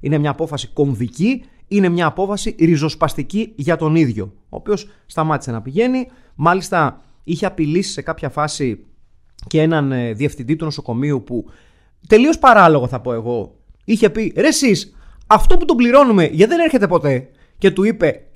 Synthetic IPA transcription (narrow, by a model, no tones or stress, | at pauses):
ine̞mɲɐːpo̞fɐsi̥ko̞ɱviciine̞mɲɐːpo̞fɐsiɾizo̞spɐst̪iciʝɐt̪o̞niðʝo̞ | o̰ːpio̞sst̪ɐmɐt̪ise̞nɐpiʝe̞ni | mɐlist̪ɐ | içe̞ɐpilisi̥se̞kɐpçɐfɐsi | cee̞nɐnðie̞fθind̪it̪uno̞so̞ko̞miupu | t̪e̞lio̞spɐɾɐloɣoθɐpo̞e̞ɣo̞ | içe̞piɾe̞sis | ɐft̪o̞put̪obliɾo̞nume̞ʝɐðe̞ne̞ɾçe̞t̪e̞po̞t̪e̞ | ce̞t̪uipe̞